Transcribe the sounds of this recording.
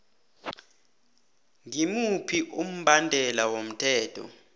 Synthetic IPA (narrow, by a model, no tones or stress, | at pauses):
ŋimupʰiʔum̩ɓʱandʱɛlawom̩tʰɛːtʰɔ̰